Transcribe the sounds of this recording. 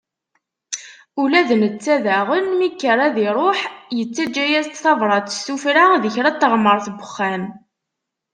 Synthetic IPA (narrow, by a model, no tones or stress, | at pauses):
ulæðənət͡sːæðæʁənmikːəɾˤæðiɾˤoħjət͡sːæd͡ʒːæjæzt̪θɑvɾˤɑt̪ːsufɾaðəçɾæt̪ːəʁmːəɾˤθbəχːæm